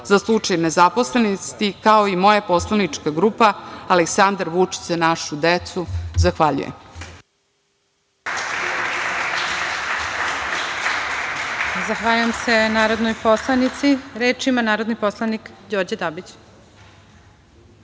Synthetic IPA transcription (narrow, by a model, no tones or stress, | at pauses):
zaslˠut͡ʂajnezaposlenist̪ikaoimo̞japoslˠanit͡ʂkaɡɾuːpaaleksand̪aɾʋut͡ʃi̥t͡s̪enaʃud̪et̪suzaxʋaʎṵjḛm | zaxʋaːʎujemse̞naːɾod̪nojposlˠanit̪siɾeːt͡ʃimanaːɾod̪niposlˠanikd͡ʑoɾd͡ʑad̪abit͡ɕ